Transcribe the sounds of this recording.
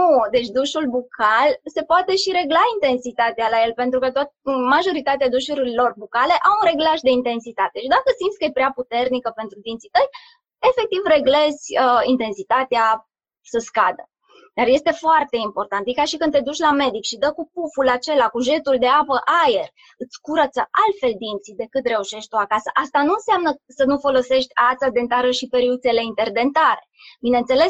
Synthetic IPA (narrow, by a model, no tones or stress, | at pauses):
nud̪e̞t͡ʃʲd̪uʃulbukʰalse̞poat̪e̞ʃiɾe̞ɡlaint̪e̞nsit̪at̪ealaje̞lpe̞nt̪ɾukət̪oat̪maʒo̞ɾit̪at̪ead̪uʃuɾilo̞rbukale̞ʔawunɾe̞ɡlaʃd̪e̞int̪e̞nsit̪at̪e̞ʃid̪akəsimd̪sʲkəjepɾeaput̪e̞rnikəpe̞nt̪ɾud̪int̪sit̪əj | e̞fe̞k̚t̪ivre̞ɡle̞zʲəint̪e̞nsit̪at̪ea | səskad̪ə | d̪̥arje̞st̪e̞foart̪e̞impo̞rt̪ant̪jikaʃikɨnd̪t̪e̞d̪ut͡ʃʲlame̞d̪ikʃid̪əkupufulat͡ʃe̞lakuʒe̞t̪uld̪e̞apəʔaje̞r | ɨt̪sʲkuɾət̪səʔalt̪fe̞ld̪int̪sid̪e̞kɨt̪re̞uʃe̞ʃt̪ʲt̪uakasəʔast̪anuɨnseamnəsənufo̞lo̞se̞ʃt̪ʲat̪sad̪e̞nt̪aɾəʃipeɾiut̪se̞le̞int̪e̞rd̪e̞nt̪aɾebinent̪se̞le̞s